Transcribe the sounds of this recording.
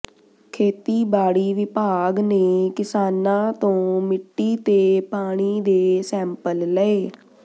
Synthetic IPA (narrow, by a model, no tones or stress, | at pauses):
kʰeːt̪iːbaːɽiːʋɪpaːɡneːkɪsaːnãːt̪õːmɪʈːiːt̪eːpaːɽ̃iːd̪eːsɛ̃ːmpəlləeː